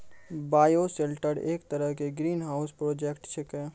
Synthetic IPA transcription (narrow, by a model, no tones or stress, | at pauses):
baːjoselʈəɾeːkt̪əɾəɦkeɡɾiːnɦaːʊspɾoːd͡ʒekʈt͡ʃʰekɛ̃ː